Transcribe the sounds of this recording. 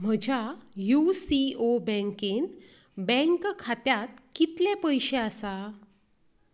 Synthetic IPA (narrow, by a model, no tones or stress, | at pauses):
m̤əd͡ʑʱjajusiobə̃ŋken | bɛ̃ŋkkʰat̪jat̪̚kit̪lepəjɕeəsa